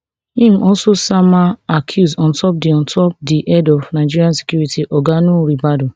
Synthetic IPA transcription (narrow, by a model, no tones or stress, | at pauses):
ĩmʔɔlsosamaakʰjusɔ̃ntɔp̚deɔ̃ntʰɔp̚diʔɛdɔfnaɪd͡ʒiɾiãnse̥kjuɾitiʔɔɡanũɾibado